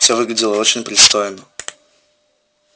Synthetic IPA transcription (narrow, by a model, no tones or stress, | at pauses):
sʲovɨɡlʲɪdʲɪlˠəot͡ɕɪnʲpɾʲɪst̪ojnə